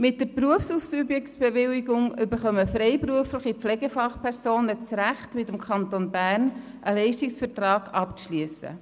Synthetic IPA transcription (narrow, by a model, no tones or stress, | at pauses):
mɪt̚dəɾpruəfsufsybjɛktsb̥ɛʋɪliɡʊŋʏbəɾχœməfɾɛɪpruəfləχipflɛɡəfɑχpʰɛɾsoːnət͡sɾæχtmɪtəmkʰɑntonbæːrn | ʔəlɛɪʃtɪksfəɾtrɑːɡ̥ɑpt͡sʃlyəsə̰